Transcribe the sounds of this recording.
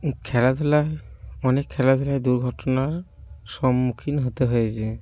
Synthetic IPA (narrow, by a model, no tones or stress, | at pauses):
kʰɛlad̪ʱɔlajɔnekʰːɛlad̪ʱɔlajd̪uɹɡʱɔtɔnaɹ | sɔmːukʰinɦot̪eɦojasɛ